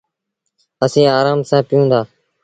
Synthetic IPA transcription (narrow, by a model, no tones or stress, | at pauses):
əsĩːaːɾaːmsãːpɪjũːd̪aː